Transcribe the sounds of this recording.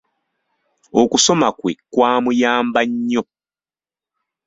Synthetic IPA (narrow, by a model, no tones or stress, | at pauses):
okuso̞makwekwaːmujaːmbaɲːo